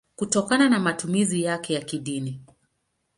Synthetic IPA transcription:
kutɔkananamatumizijakɛjakiɗini

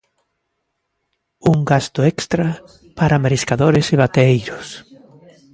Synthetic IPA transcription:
uŋɡast̪ʊekst̪ɾa | paɾamɾiskaðoɾeseβ̞at̪eejɾʊs

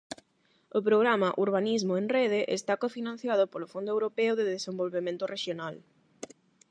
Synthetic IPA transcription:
ʊpɾoɣ̞ɾamaʔuɾβ̞anizmʊeŋreð̞eʔḛst̪akofinãnθjaðʊpolʊfond̪ʊewɾopɛʊðɪðesembolβemẽnt̪ʊreʃjonal

